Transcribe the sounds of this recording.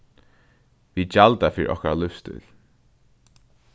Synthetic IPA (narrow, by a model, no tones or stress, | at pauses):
vid͡ʒalt̪afɪɾḭʔɔ̰hkaɾalʏfst̪ʏ̰l